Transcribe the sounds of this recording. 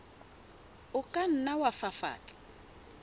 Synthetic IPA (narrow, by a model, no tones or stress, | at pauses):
ʊkʼan̩nawafafa̰ːtʼɪ̥